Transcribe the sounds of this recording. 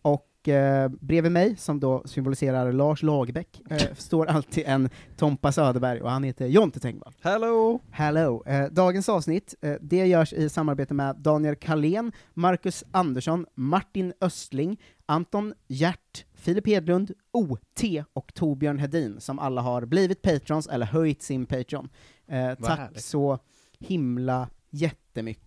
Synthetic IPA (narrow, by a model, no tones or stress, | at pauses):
ɔk | bɾeːvəmɛjsɔmd̪osʏmbʊlɪseːɾaɾlɑːʂlɑːɡbɛkːst̪oːɾalt̪ʰɪːɛnt̪ʰɔmpasœːd̪əbæɾjɔ̰hanheːt̪əjɔnt̪ʰət̪ʰɛ̰ŋkva̰lhɛlohɛlod̪ɑːɡənsɑːvsnɪt̪ːd̪ɛjœːʂɪsamːaɾbeːt̪əmɛd̪ɑːnɪɛlkʰaleːnmaɾkɵsand̪əʂɔnmaʈːɪnœst̪lɪŋ | ant̪ɔnjæʈːfɪlɪpheːd̪lɵnd̪ | uːt̪ʰeːɔkt̪ʰuɾbjœːɳɦɛd̪iːnsɔma̰lːaɦaɾbliːvɪt̪̚pʰejt̪ɾɪɔnsɛ̰lːəɾɦœjt̪sɪnpʰɛjt̪ɾɪɔ̰n | t̪ʰaksɔ | hɪmla | jɛt̪ːəmʏ̰kːə